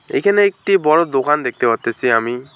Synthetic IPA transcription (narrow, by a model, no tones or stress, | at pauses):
ḛjkʰaneek̚ʈibɔɹɔd̪okand̪ek̚ʰt̪eɔt̪esiami